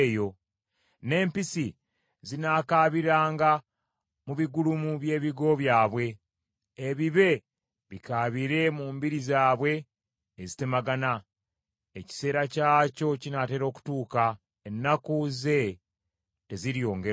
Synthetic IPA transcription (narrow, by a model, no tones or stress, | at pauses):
jo̞ | ne̞ːmpisi | zinaːkaβiɾaːŋɡa | muβiɡulumuβje̞ːβiɡo̞βjaːβwe̞ː | βiβe̞ | βikaːβiɾe̞muːmbiɾizaːβwe̞ː | zi̥te̞maɡana | eci̥se̞ːɾacaːco̞cinate̞ːɾo̞ːku̥tuːka | enːakuze̞ | te̞ziɾjo̞ːŋɡe